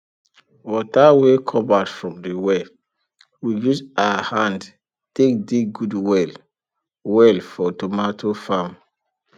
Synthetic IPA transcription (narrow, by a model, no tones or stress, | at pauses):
wɔtawekʰɔbadfɹɔ̃mdewe | wijusaahãnd | tek̚diɡudwɛl | wɛlfɔtomatʰofãm